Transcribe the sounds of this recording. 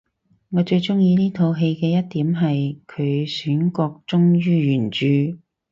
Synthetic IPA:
ŋɔː˨˧t͡ʃɵ˧ɥt͡sʊ˥ŋjiː˧niː˥t̪ʰo˨˧wɦe˧jkɛː˧jɐ˥t̚t̪iː˨˥mɦɐ˨jkʰɵ˨˧ɥsyː˨˥nkɔː˧k̚t͡sʊ˥ŋjyː˥jyː˨˩nt͡ʃyː˨˧

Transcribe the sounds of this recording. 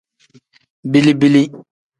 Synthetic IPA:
bi˦li˦bi˦li˦

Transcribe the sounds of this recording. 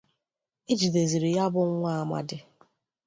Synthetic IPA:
i˦d͡ʒi˨de˨zi˨ɾi˨ja˦bʊ˦ŋ̩˦ŋʷa˦a˦ma̰˦dɪ˦

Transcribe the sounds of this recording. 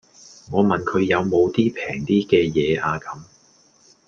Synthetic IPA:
ŋɔː˨˧mɐ˨nkʰɵ˨˧ɥjɐ˨˧wmo˨˧wt̪iː˥pʰɛː˨˩ŋt̪iː˥kɛː˧jɛː˨˧ʔaː˧kɐ˨˧˥m

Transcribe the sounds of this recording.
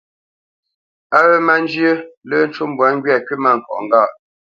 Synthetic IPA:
a˦ɣə˦ma˦n˦d͡ʒjə˦lə˦n̩˦t͡ʃu˦m˦bwa˨˦ŋ˦ɡɥɛ˦˨kɥi˦ma˦˨ŋ̩˨kɔ̰˨ʔŋ˨ɡa˦˨ʔ

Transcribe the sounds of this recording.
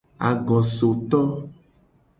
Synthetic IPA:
a̰˨ɡɔ˨so˨t̪ɔ˦

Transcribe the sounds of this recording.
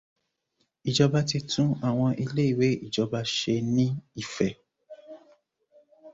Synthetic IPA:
i˨d͡ʒɔ˧ba˧ti˧tũ˦a˦˨w̃ɔ̃˧ʔi˧le˦i˦˨we˨˦i˦˨d͡ʒɔ˧ba˧ʃe˧nĩ˦i˦˨fɛ˨

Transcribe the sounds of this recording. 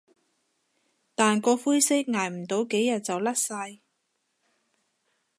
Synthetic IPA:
t̪aː˨nkɔː˧fuː˥jsɪ˥k̚ŋaː˨˩jm̩˨˩t̪o˨˧wke˨˥jːɐ˨t̚t͡sɐ˨wlɐ˥t̚sɐ˧j

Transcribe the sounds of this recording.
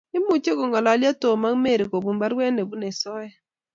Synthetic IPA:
ɪ˦mu˨t͡ʃe˦ko˨ŋɡɔ˨la˨˦lja˦to˨ma˦ŋ˦me˦˨ɾi˨ko˨bu˨mba˦ɾwɛ˦ne˨bu˦nɛ˨sɔ˦jɛ˦

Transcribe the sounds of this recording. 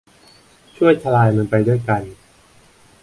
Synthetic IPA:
t͡ɕʰu˥˩əjt͡ɕʰa˧laː˧jma˧npa˧jdu˥˩əjka˧n

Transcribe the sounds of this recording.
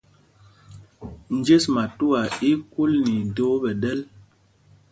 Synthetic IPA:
n̩˨d͡ʒe˦sma˨tu˦a˨i˦ku˦lni˨do˨˦bɛ˨dɛ˦l

